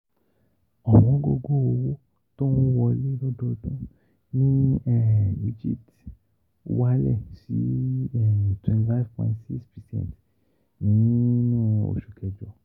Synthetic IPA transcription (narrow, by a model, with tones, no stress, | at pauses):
ɔ˨mɔ̃˨˦ɡo˧ɡo˦˨o˨wo˦ | tɔ˦wũ˦wɔ˧le˦dɔ˦dɔ˧dũ˦ | nĩ˦ɛ˨i˦d͡ʒḭ˦˨t | wa˦lɛ̰˦˨sḭ˦ɛ˨twɛ̃˨nti˨fa˦vpɔ̃˨ĩ˦ntsi˦kspɛ˨sɛ̰̃˦˨nt | nĩ˨˦nũ˦˨o̰˨ʃu˨kʰɛ˨d͡ʒɔ˨˧